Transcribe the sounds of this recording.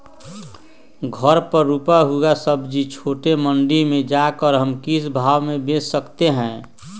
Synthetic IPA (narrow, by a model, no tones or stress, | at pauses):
ɡʱəɾpəɾːupaɦuɡasəbd͡ʒit͡ʃʰoːʈeməɳɖimẽd͡ʒakəɾɦəmkisbʱaːwmẽbeːsːəkt̪eɦɛ̃ː